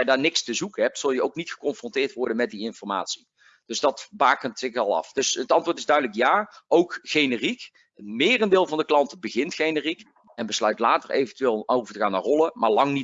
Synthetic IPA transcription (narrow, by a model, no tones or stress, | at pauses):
daːɹnɪkstəzukəɦɛp̚tsɵlˠjəowknitχə̥kɔnfrɔntɪːɹtʋɔɹdənmɛt̚diɪnfɔɹma̰ːtsi̥ | d̥ɵzdɑtbaːkəntsɪxɑlˠɑ̰fdɵsətɑntʋʊːɹtɪzdœɥdələkjaːowkχejnərik | əmɪːrəndɪːlˠvɑndəklɑntbəɣɪntχejnərik | ɛnbəslœɥtlaːtərḛjvəntyʋɪːlˠowvəɹtəɣaːnːaːɹrɔlˠəmaːɹlɑŋni